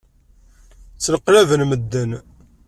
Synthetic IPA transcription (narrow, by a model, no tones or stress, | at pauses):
t͡sːləqːlævənməd̪ːən